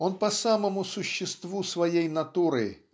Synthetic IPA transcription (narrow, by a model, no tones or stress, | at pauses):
onpɐsaməmʊsʊɕːɪst̪vusvɐjejnɐt̪uɾɨ̰